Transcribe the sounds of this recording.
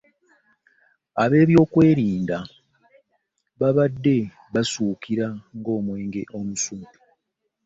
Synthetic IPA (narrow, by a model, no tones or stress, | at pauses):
aβe̞ːβjo̞ːkwe̞ːɾiːnda | βaβadːe̞ | βasuːkʰiɾaŋɡo̞ːmwe̞ːŋɡe̞ʔo̞musuːtu